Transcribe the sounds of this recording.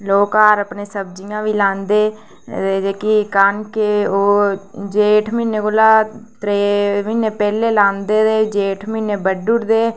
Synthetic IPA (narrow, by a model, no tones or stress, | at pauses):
loːkaːɾəpneːsəbd͡ʒijãːʋiːlãːnd̪eː | ed͡ʒeːkikaːnkeoːd͡ʒeːʈʰmɪnekoːlaːt̪ɾeːmɪneːpɛːleːlãːnd̪eːd̪eːd͡ʒeːʈʰmɪneːbəɖʊɾd̪eː